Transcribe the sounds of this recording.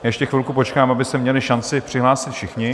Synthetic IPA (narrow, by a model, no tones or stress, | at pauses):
jajɛʃcɛxʋɪlkupot͡ʃkaːmabɪsɛmɲɛlɪʃant͡sɪpr̥ɪɦlaːsɪt̪fʃɪxɲɪ